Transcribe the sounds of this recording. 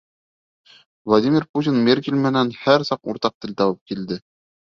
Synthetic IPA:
vlˠadʲimʲɪrput̪ʲinmʲerk̬ʲelʲmɘ̆nænhæɾsɑqṵɾt̪ɑq̚t̪ɘ̆lt̪ɒwɤp̚kild̪ɘ

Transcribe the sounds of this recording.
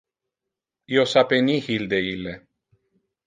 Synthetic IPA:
iosapenihild̪eilːe

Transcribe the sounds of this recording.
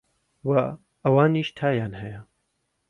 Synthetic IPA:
wa | ɐwaːniːʃt̪ʰaːjaːnhɐjɐ

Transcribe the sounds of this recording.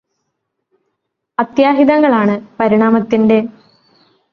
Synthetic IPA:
ɐt̪jaːɦiðɐŋːɐɭaːɳɨpɐɾiɳaːmɐt̪ːinde̞

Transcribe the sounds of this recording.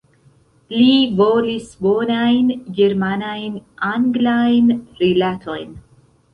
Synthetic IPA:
livolisbonajnɡeɾmanajnaŋɡlajnɾilat̪ʰojn

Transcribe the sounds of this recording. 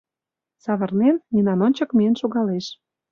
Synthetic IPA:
sɑβɤ̆rnenmʲinɑnonʲt͡ɕɤ̆kmiənʃoɣɑleʃ

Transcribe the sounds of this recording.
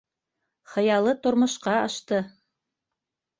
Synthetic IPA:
χɤ̆jɑlˠɤt̪ŏɾmŏʃqɑɑʃt̪ɤ

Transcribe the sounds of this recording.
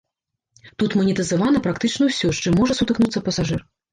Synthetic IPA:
t̪ut̪mɐnʲit̪ɨzavanɐpɾakt̪ɨt͡ʂnɐwsʲɔʂt͡ʂɨmːɔʐɐsut̪ɨknut̪sːɐpɐsaʐɨr

